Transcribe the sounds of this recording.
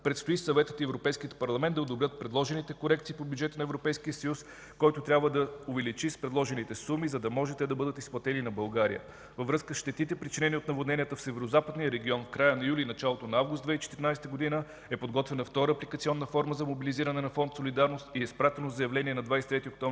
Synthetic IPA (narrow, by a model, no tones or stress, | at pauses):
pɾɛt̪st̪oisɐvɛt̪ət̪iɛvɾopɛjskiət̪̚pɐɾlˠɐmɛnd̪d̪ɐod̪obɾʲət̪̚pɾɛd̪lˠɔʒɛnit̪ɛkoɾɛk̚t̪sipobʲjud͡ʒɛt̪ənɐɛvɾopɛjskiəsɐjus | kɔjt̪ot̪ɾʲabvəd̪ɐʊvɛlit͡ʃispɾɛd̪lˠɔʒɛnit̪ɛsumizɐd̪ɐmɔʒɛt̪ɛd̪ɐbɤd̪ət̪isplˠɐt̪ɛninɐbɐlˠɡaɾḭjə̰ | vəvɾɤskəsʃt̪ɛt̪it̪ɛpɾit͡ʃinɛniot̪nɐvod̪nɛnʲiət̪əfsɛvɛɾozapəd̪nijəɾɛɡʲiɔnfkɾajənɐjulinɐt͡ʃalˠot̪onɐavɡʊst̪d̪vɛit͡ʃɛ̥t̪iɾinajst̪əɡod̪inə | ɛpod̪ɡɔt̪vɛnɐft̪ɔɾəːplikət̪siɔnːəfɔɾməzɐmobiliziɾɐnɛnɐfɔnt̪solid̪aɾnost̪iɛspɾat̪ɛnozɐjɐvlɛniɛnɐd̪vajsɛ̥t̪ɾɛt̪iok̚t̪ɔ̃vɾi